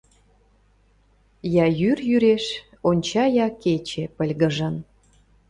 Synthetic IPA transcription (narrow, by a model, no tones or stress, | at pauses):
jɑjyrjyɾeʃ | onʲt͡ɕɑjɑket͡ɕepə̆lʲɣəʒə̆n